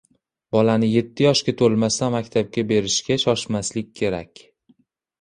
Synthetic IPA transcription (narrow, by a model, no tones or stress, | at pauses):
bɒlanɪje̞t̪ʰːɪjɒʃkʲat̪ʰolmast̪anmakʲt̪ʰab̚kʲabe̞ɾɪʃkʲaʃɒʃmaslɪk̚ʲʰːe̞ɾa̰kʲ